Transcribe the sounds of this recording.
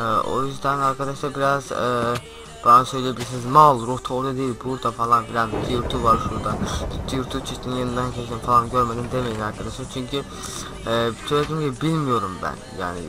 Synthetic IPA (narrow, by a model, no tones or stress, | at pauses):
o̰jyzd̪ænæɾkʰad̪ɑʃd̪ɑbiɾaz | b̥ɑɑnsøjlijebilisinizmɑlˠɾuht̪ʰaoɾd̪ɑd̪ejilbuɾd̪ɑfɑlˠɑnbiɾænd̪iɾt̪ʰuvɑɾʃuɾd̪ɑid̪ːijɾt̪ʰut͡ʃʰiʃt̪ʰininjɑnɯnd̪ɑncʰet͡ʃʰd̪infɑlˠɑnɟøɾmæd̪ind̪emed̪inæɾkʰɑd̪aʃat͡ʃʰyɲcʰi | søjlæd̪imd͡ʒibilmijoɾumbæ̰njæ̰ːnḭ